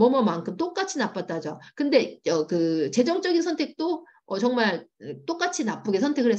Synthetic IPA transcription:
mʌmʌmankʰɯmt͈ok͈at͡ɕʰinap͈at̚t͈ad͡ʑokɯnde̞ʌkɯt͡ɕe̞d͡ʑʌŋt͡ɕ͈ʌɡinsʰʌntʰe̞k̚t͈o | ʌt͡ɕʌŋmaɭt͈ok͈at͡ɕʰinap͈uɡesʰʌntʰe̞ɡɯɭɾɦe

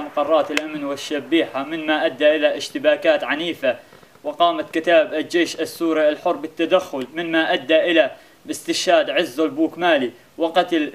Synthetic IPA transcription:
maqɑrˤːɑːt̪ɪlʔamnwɪʃːabːiːħamɪnmaʔad̪ːaʔɪlaʔɪʃt̪ɪbaːkaːt̪ʕaniːfa | wɪqɑːmat̪kɪt̪aːbald͡ʒeːʃasːuːɾialħʊɾbɪt̪ːad̪axːʊlmɪnmaʔad̪ːaʔɪla | ɪst̪ɪʃhaːd̪ʕɪzːalbuːkmaːli | wɪqɑt̪l

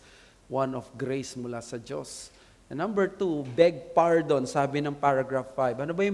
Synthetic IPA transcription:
wãnɔfɡɾejsmʊlasɐd͡ʒo̰s | ɛnɐ̃mbɛɹt̪ubɛɡ̚paɹd̪onsaːbɪnɐŋpaɹɐɡɹafːajbɐnobɐjʊ

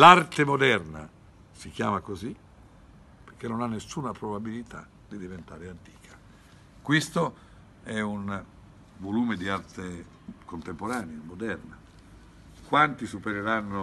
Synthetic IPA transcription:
lart̪emod̪ɛrna̰ | sik̟jaːmakozi | peɾkenːonanːesːuːnapɾobabilit̪ʰa̰ | d̪̥id̪ivent̪aːɾeant̪i̥ːkʰḁ | kwist̪o | ɛun | voluːmed̪iart̪e | kont̪empoɾaːneamod̪ɛrna | kwant̪isupeɾeɾanːo

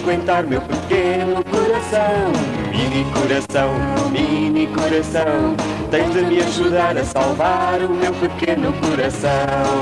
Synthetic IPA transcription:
kwẽnt̪aɾumewpɨkenukuɾɐsɐ̃w̃minikuɾɐsɐ̃w̃minikuɾɐsɐ̃w̃t̪ẽj̃ðɨmɨɐʒuðaɾɐsalˠvaɾumewpɨkenukuɾɐsɐ̃

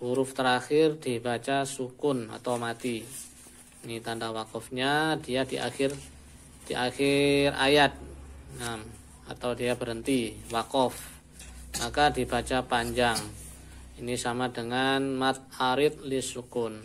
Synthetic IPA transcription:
b̥uɾʊft̪əɾaxɪrdibat͡ʃasukʊna̰t̪awmat̪i | nit̪andawakɔfɲadiadiʔa̰xɪr | d̥iʔaxɪra̰jat̪̚nam | a̰t̪awdiabəɾɦənt̪iwakɔf | makadibat͡ʃapaɲd͡ʒaŋ | inisamadəŋanmat̪̚aɾɪt̪̚lisukʊn

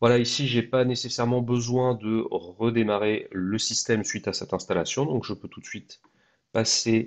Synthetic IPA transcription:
vwalaisiʒepanesesɛʁmɑ̃bəzwɛ̃d̪əʁəd̪emaʁeləsist̪ɛmsɥit̪asɛt̪ɛ̃st̪alasjɔ̃d̪ɔ̃kʒəpøt̪u̥t̪sɥit̪ | pase

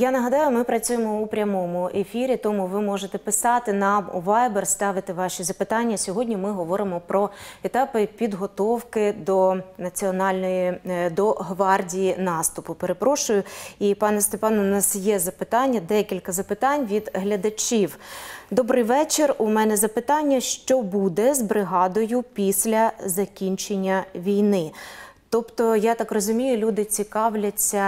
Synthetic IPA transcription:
janɐɦɐd̪ɑjʊmɪpɾɐt͡sʲujemɔupɾʲɐmɔmʊʔefʲiɾʲit̪ɔmʊʋɪmɔʒet̪ɛpɪsɑt̪ɪnɑmṵʋɑjbɛrst̪ɑʋɪt̪ɪʋɑʃʲizɐpɪt̪ɑnʲːɐsʲɔɦɔdʲnʲimɪɦɔʋɔɾɪmɔpɾɔet̪ɑpɪpʲid̪ɦɔt̪ɔwkɪd̪ɔnɐt͡sʲiɔnɑlʲnɔjid̪ɔɦʋɑrdʲijinɑst̪ʊpʊpeɾepɾɔʃʊjʊipɑnɛst̪epɑnʊnɑsjɛzɐpɪt̪ɑnʲːɐd̪ɛkʲilʲkɐzɐpɪt̪ɑnʲʋʲid̪ɦlʲɐd̪ɐt͡ʃʲiwd̪ɔbɾɪjʋɛt͡ʃerʊmɛnɛzɐpɪt̪ɑnʲːɐʃt͡ʃɔbud̪ɛzbɾɪɦɑd̪ɔjʊpʲisʲlʲɐzɐkʲinʲt͡ʃenʲːɐʋʲijnɪ | t̪ɔpt̪ɔjat̪ɑkrɔzʊmʲijʊlʲud̪ɪt͡sʲikɑwlʲɐt͡sʲːɐ

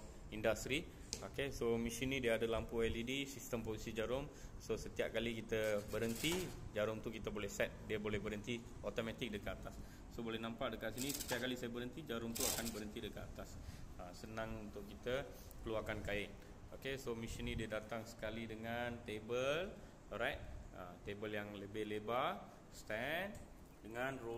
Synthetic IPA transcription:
indast̪ɾi | okesomisinĩdiəadəlampuɛlidisist̪əmposisid͡ʒaɾʊmsosət̪iap̚kalikit̪əbəɾənt̪id͡ʒaɾʊŋt̪ukit̪abolɛhsɛt̪̚diəbolɛhbəɾənt̪i | ot̪omat̪ɪk̚dəkat̪at̪asː | obolɛhnãmpaʔdəkat̪sinisət̪iap̚kalisajabəɾənt̪id͡ʒaɾʊmt̪uakanbəɾənt̪idəkat̪at̪asasənãŋunt̪ʊʔkːit̪ə | kəluakankaɪn | okesomisənĩdiədat̪aŋsə̥kalidəŋant̪ebəl | ɾɛk̚ə̰t̪ebəljaŋləbɪhleba | st̪ɛn | dəŋãnro

